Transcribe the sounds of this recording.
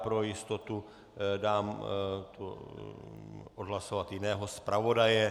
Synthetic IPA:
pɾojɪst̪ot̪u | daːmt̪u | ʔodɦlasovat̪jɪnɛːɦospɾavo̞dajɛ

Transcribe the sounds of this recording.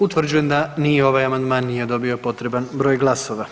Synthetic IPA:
ut̪ʋr̩d͡ʑuje̞md̪anijeo̞ʋajamand̪maːnːije̞d̪o̞bio̞po̞t̪ɾe̞banbɾo̞ːjɡlˠaso̞ʋa

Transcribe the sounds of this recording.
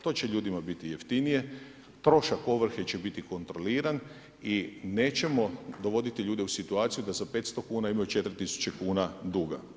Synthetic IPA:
t̪o̞ːt͡ɕeʎuːd̪imabit̪ije̞ft̪inije̞ | t̪ɾo̞ʃako̞ʋr̩xet͡ɕe̞bit̪iko̞nt̪ɾo̞liːɾan | ine̞ːt͡ɕe̞mo̞d̪o̞ʋo̞d̪it̪iʎuːd̪e̞usit̪uaːt̪sijud̪azape̞t̪st̪o̞kuːnaimajut͡ʃe̞t̪ɾit̪isu̥t͡ɕe̞kuːnad̪uːɡa̰

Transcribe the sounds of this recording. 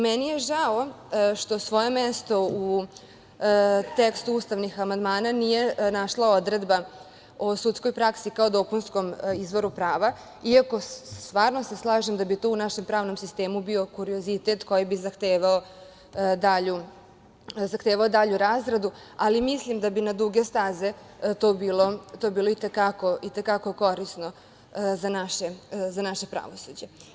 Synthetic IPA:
mɛnije̞ʒao | ʃt̪o̞sʋo̞je̞mest̪o̞u | t̪ekst̪uuːst̪aʋnixamand̪maːnanije̞naʃlˠao̞d̪ɾe̞d̪ba | osut̪sko̞jpɾaksikaod̪o̞punskomizʋo̞ɾupɾaːʋa | iako̞st̪ʋaːɾnose̞slˠaːʒemd̪abit̪o̞unaʃempɾaːʋno̞msist̪e̞ːmubio̞kuɾio̞zit̪et̪ko̞jibizaxt̪eːʋao | d̪aʎu | zaxt̪eːʋaod̪aʎuɾaːzɡɾad̪u | alimislˠimd̪abinad̪uɡe̞st̪aze̞ | t̪oːbiːlo̞t̪obiːlo̞it̪ekako̞it̪ekako̞ko̞ɾisno | zanaʃe̞zanaʃe̞pɾa̰ʋo̞sud͡ʑe

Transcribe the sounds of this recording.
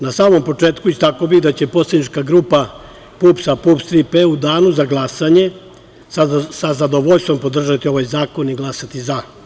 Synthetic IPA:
nasaːmo̞mpo̞t͡ʂe̞ːt̪kuist̪akobiɣd̪at͡ɕe̞po̞sed̪nit͡ʃkaɡɾuːpa | puːpsapupst̪ɾipeud̪aːnuzaɡlˠasaɲe̞ | sasazad̪o̞ʋoʎst̪ʋo̞mpo̞d̪r̩ʒat̪io̞ʋajzaːko̞niɡlˠasat̪iza

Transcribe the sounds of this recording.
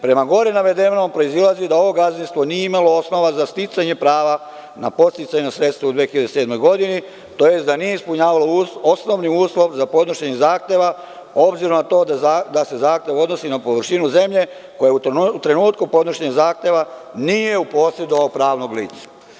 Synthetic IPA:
pɾe̞maɡo̞ɾinaʋe̞d̪ennompɾo̞izilˠazid̪ao̞ʋo̞ɡazinst̪ʋo̞nijeimalo̞osno̞ʋazast̪it̪saɲe̞pɾaːʋa | napo̞t̪st̪it̪saɲenosɾe̞t̪st̪ʋaud̪ʋexiʎad̪ese̞ːd̪mo̞jɡo̞d̪ini | t̪oje̞sd̪anije̞ispuɲaːʋaloosno̞ʋniuːslo̞ʋzapod̪noʃeɲezaːxt̪e̞ʋa | o̞bziɾomnat̪o̞ːd̪aad̪ase̞zaːxt̪e̞ʋo̞d̪no̞sinapoʋɾʃinuze̞mʎe̞ | ko̞jeut̪ɾe̞nuːt̪kupo̞d̪noʃeɲizaːxt̪e̞ʋanije̞upo̞ːsje̞d̪oʋaopɾaːʋno̞ɡlḭːt̪sḁ

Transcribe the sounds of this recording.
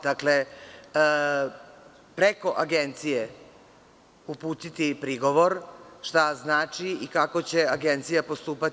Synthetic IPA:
d̪̥akle̞ | pɾeko̞ʔaɡe̞nt̪sije | upuːt̪it̪ipɾiɡo̞ʋo̞ɾʃt̪aznaːt͡ʃiikako̞t͡ɕe̞aɡe̞nt̪sijapo̞st̪uːpat̪

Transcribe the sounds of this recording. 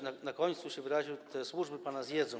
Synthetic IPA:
nanakɔɲt̪suɕɛvɘɾaʑiwt̪ʰɛswuʐbɘpanazjɛd̪zɔ̃

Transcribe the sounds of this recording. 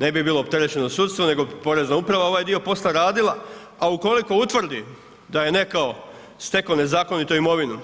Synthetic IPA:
ne̞bibiːlˠo̞ːpt̪e̞ɾe̞t͡ɕe̞nosuːt̪st̪ʋone̞ɡo̞po̞ɾe̞znaupɾaʋao̞ʋajd̪io̞po̞slaɾaːd̪ilˠa | auko̞liko̞ut̪ʋr̩d̪i | d̪aje̞ne̞kao | st̪e̞kone̞zaːko̞nit̪oimo̞ʋinu

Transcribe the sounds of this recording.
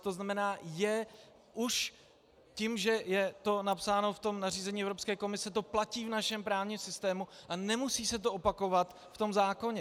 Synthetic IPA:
t̪o̞znamɛnaːjɛ | ʔuʃ | cimʒɛjɛt̪o̞napsaːno̞ft̪o̞mnariːzɛɲiːɛvɾo̞pskɛːko̞mɪsɛt̪o̞placiːvnaʃɛmpɾaːvɲimsɪst̪ɛːmuʔanɛmusiːsɛt̪̬o̞ʔopako̞vat̪ | ft̪o̞mzaːko̞ɲɛ

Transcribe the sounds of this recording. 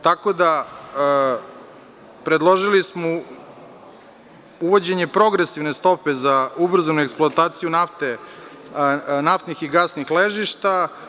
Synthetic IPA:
t̪ako̞d̪a | pɾed̪lˠo̞ʒilismo | uʋo̞d͡ʑe̞ɲe̞pɾo̞ɡɾe̞siʋne̞st̪o̞pezaubr̩zanueksplˠoat̪aːt̪sijunaft̪e | naft̪nixiɡasnixleʒiʃt̪a

